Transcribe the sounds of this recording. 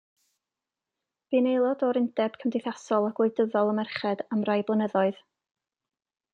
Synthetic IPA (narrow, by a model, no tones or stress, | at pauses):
viːnejlˠɔdɔɾɪndɛb̥kʰəmdɪθasɔlˠaɡweɨdəðɔlˠəmɛrχɛd̥amrajblˠənəðɔɨð̥